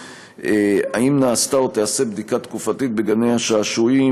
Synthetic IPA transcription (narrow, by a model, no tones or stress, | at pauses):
eaimnaːst̪aot̪ease̞bd̪ikat̪kufat̪it̪̚be̞ɡanejhaʃaːʃui